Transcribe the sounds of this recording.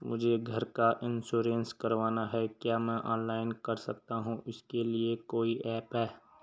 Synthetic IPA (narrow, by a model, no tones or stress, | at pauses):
mʊd͡ʒʱeɡʱɐɾkaʔɪnsuːɾẽnskɐɾʋaːnaɦɛkjaːmɛ̃ʔɔ̰ːnlaːɪnkɐɾsɐk̚t̪aɦũʔɪskeliekoːiʔɛːpɦɛː